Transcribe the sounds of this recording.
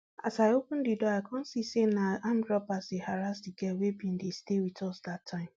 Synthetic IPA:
a̰saɪopʊ̃n̩didɔaɪkʰɔ̃n̩sisenaãndɾɔpasehaɾasdiɡɛwebĩn̩destewitɔsdatʰːãɪ̃m

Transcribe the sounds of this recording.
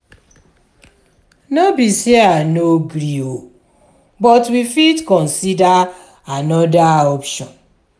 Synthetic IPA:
nɔbisianoɡɾio | bɔtwifidkɔ̃nsida | anɔdaɔpʃɔ̃n

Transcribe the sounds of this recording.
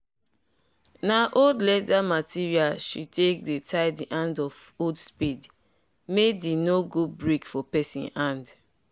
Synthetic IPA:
naʔoldlɛtamatiɹialʃitekdetʰaɪdiʔãndɔfodspid | medinoɡud̚bɹekfɔpɛsḭ̃nãnd

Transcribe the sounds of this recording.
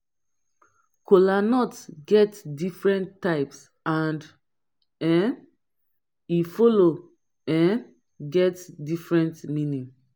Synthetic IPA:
kolanɔtɡɛtdifɹɛ̃ntːaɪps | ãnd | ɛn | ifolo | ɛ̃n | ɡɛtdifɹɛ̃ntmĩnĩ

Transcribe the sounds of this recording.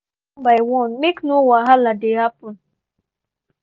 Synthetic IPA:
bajwɔnmeknʊwaɦaladeɦapʊn

